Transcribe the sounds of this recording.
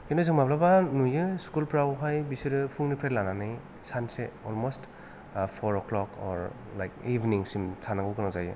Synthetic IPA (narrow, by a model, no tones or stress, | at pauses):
kindozɯŋmaplabanujɯskulpɾawɦajbisiɾɯpʰuŋnipʰɾelananɯj | sanseɔlmɔst | pʰɔɾɔklɔkʰɔ̰ɾ | lajk̚ibʱniŋsimtʰanaɡɯkɯnazajɯ̰